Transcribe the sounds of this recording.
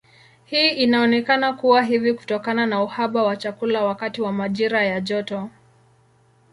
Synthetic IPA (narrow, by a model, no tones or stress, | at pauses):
hiːʔinaɔnɛkanakuwaɦiviku̥tɔkananauhaɓawat͡ʃakulawakatiwamaʄiɾajaʄɔtɔ